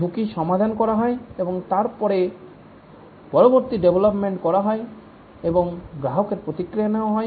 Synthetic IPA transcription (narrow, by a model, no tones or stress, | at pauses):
ukiʃɔmad̪ʱanɔkɔɾaɦɔeebɔŋt̪aɾpɔɾe | pɔɾɔbɔɾt̪iɖebʱɔlɔpmeɳʈkɔɾaɦɔe | ebɔŋɡɾaɦɔkeɾpɾot̪ikɾijanewaɦɔj